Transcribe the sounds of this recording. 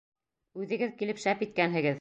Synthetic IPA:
ʉðɘ̆ɡɘðkilɘpʃæpit̪̚kænɦɘ̆ɡɘð

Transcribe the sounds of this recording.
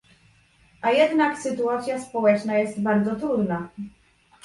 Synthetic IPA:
ʔajɛd̪naksɘt̪uat̪sʲjaspɔwɛt͡ʂnajɛst̪baɾd̪zɔt̪ɾud̪na

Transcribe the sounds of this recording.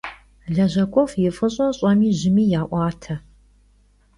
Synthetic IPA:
ɮɐʑɐkʷʼɔfjɪfɨɕʼɔɕʼɐmiːʑɪmiːjaːʔʷɑːtʰɐ

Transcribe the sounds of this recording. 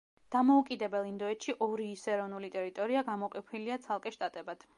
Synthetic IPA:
d̪̥amɔukʼid̪ɛbɛlˠind̪ɔɛt̪ʃiʔɔɾiːsɛɾɔvnulit̪ʼɛɾit̪ʼɔɾiaɡamɔqʼɛpʰiliat̪sʰalˠkʼɛʃt̪ʼat̪ʼɛbad̪̥

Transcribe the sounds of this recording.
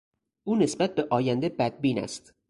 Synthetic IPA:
ʔuːnesbæt̪̚beʔɒːjænd̪ebæd̪̚biːnæ̰st̪

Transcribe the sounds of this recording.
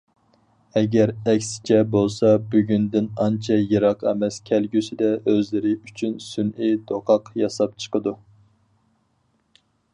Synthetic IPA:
ɛɡʲɛɾɛkʲsɪ̥t͡ʃʰɛbolˠsɑbyɡʲynd̪ɪnɑnt͡ʃʰɛjeɾɑqʰɛmɛskʲʰælɡʲysɪd̪ɛøzlɪɾɪyt͡ʃʰynsynʔid̪oqʰɑqjɑsɑp̚t͡ʃʰə̥qʰəd̪u

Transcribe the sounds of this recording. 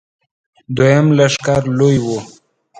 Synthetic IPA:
d̪wajamlaʂkaɾlojwu

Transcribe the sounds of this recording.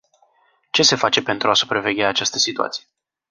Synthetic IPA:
t͡ʃe̞se̞fat͡ʃe̞pe̞nt̪ɾuasu̥pɾave̞ɡʲeaːt͡ʃast̪əsit̪ua̰t̪sije

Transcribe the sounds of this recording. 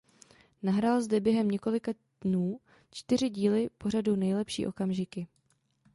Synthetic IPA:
naɦɾaːlzdɛbjɛɦɛmɲɛko̞lɪka | dnuː | t͡ʃt̪ɪr̝ɪɟiːlɪpo̞r̝adunɛjlɛpʃḭːʔo̞kamʒɪkɪ

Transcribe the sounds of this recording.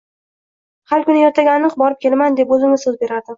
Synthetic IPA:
haɾkʊnɪjɒt̪ʰaɡʲanːɨqbɒɾɪp̚kʲʰe̞lmand̪e̞pɵzɪŋɪsɵzbe̞ɾad̪ɪ

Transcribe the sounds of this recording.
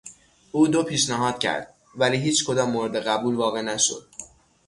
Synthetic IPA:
ʔuːd̪opʰiːʃnæɦɒːd̪̥cʰæ̰ɾd̪̥̚ | væliːɦiːt͡ʃkʰo̞d̪ɒːmːoɾed̪e̞ɣæbuːlvɒːɣe̞næʃo̞̰d̪̥

